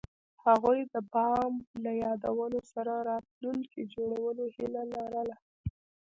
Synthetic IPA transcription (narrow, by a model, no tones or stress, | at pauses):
haɣujd̪əbɑmlajɑd̪awənosaɾaɾɑt̪̚luŋkid͡ʒoɽawəlohilalaɾəla